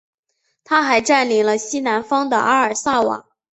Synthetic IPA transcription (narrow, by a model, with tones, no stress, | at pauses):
t̪ʰa˥xa˧˥ɪʈ͡ʂa˥˩nli˧˥ŋlə˧ɕi˥na˧˥nfɑ˥ŋd̪ə̰˨ʔa˥ə˞˨˩sa˥˩wɑ̰˨˩˦